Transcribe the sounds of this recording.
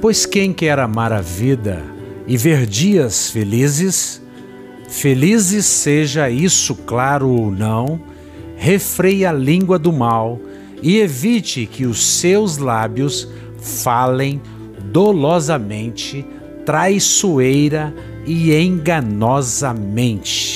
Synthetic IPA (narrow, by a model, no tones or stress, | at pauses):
pojskẽj̃kɛɾamaɾɐvid̪ɐ̰ɪveɾd͡ʒiɐsfelizɪs | felizɪsːeʒɐisʊklaɾʊownɐ̃w̃ | hefɾejɐlĩŋɡwɐd̪ʊmaw | ɪevit͡ʃɪkɪʊsewzlabjʊs | falẽj̃ | d̪olɔzɐmẽnt͡ʃɪ | t̪ɾajsuejɾɐ | ɪẽɡɐnɔzɐmẽnt͡ʃɪ̥